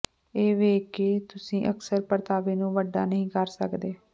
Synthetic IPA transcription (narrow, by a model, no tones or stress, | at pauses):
eːʋeːkɪt̪ʊsĩːʔəksəɾpəɾt̪aːʋeːnũːʋəɖa̰ːnəɦĩːkəɾsəkd̪eː